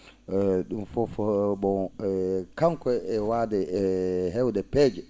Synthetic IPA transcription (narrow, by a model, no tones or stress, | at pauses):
ɗumfɔfɔbɔ | kaŋkɔɛwadɛɦɛwdɛpɛːd͡ʒɛ